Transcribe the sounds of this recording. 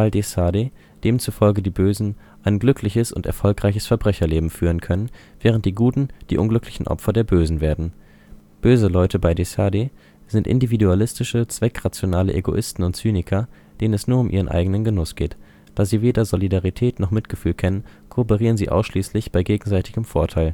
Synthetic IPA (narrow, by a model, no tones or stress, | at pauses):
ʔaldesaːde | d̥eːmt͡sufɔlɡədiːbøːzn̩ | ʔaɪnɡlʏkʰlɪçəsʊ̰ntɛ̰ɐfɔlkʁaɪçəsfɛɐbʁɛçɐleːbm̩fyːʁənkʰœnənv̥ɛːʁənt̚d̥iːɡuːtn̩d̥ḭːʔʊ̰nɡlʏklɪçn̩ʔɔ̰pfɐdeːɐbøːzn̩veːɐdn̩ | b̥øːzəlɔʏtʰəbaɪdesaːde | z̥ɪntʔɪ̰ndividualɪstɪʃət͡sv̥ɛkʁ̥at͡sjonaːləʔeɡo̰ʔɪstn̩ʊntt͡syːnɪkʰɐ | d̥eːnənɛsnuːɐʊmʔḭːʁ̞ənʔa̰ɪɡənənɡənʊsɡ̥eːt | d̥aːziːveːdɐzolidaʁitʰɛːtnɔχmɪtɡ̥əfyːlkʰɛnənkʰoːpəʁiːʁ̞ənziːʔa̰ʊsʃliːslɪçb̥aɪɡeːɡŋ̩zaɪtʰɪɡəmfoːɐtʰaɪl